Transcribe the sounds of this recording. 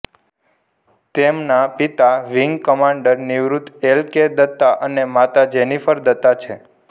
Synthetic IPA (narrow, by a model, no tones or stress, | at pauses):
t̪emnapit̪aʋiŋɡkəmaɳɖəɾniʋɾut̪elked̪ət̪ːaʔənemat̪ad͡ʒenifəɾd̪ət̪ːat͡ʃʰe